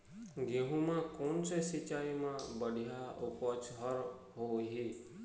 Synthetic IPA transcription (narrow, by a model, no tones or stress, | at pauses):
ɡeɦũmãkonsesit͡ʃaimãbəɽ̤ʱijaupɔt͡ʃɦəɾ | ɦoɦi